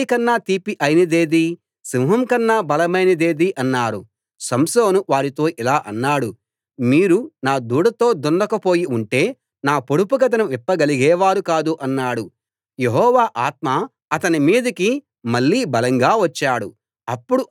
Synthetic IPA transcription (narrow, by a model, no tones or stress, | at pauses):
ikɐnːaːt̪iːpiʔɐjnɐd̪eːd̪i | simɦɐmkɐnːaːbɐlɐmɐjnɐd̪e̞ːd̪iʔɐnːaːɾṵ | sɐmso̞ːnuʋaːɾit̪o̞ːʔilaːʔɐnːaːɽu | miːɾunaːd̪uːɽɐt̪o̞ːd̪ɔnɖ̪ɐkɐpo̞ːjiuɳʈe̞ː | naːpoɽupuɡɐt̪̬ɐnɐmʋipːɐɡɐliɡɛːʋaːɾukaːd̪uʔɐnːaːɽu | jeɦɔːʋaːʔaːt̪ma | ɐt̪ɐnimiːd̪ɐki | mɐɭːiːbɐlɐŋɡaːʋɐt͡ʃːaːɽṵ | ɐpːuɽu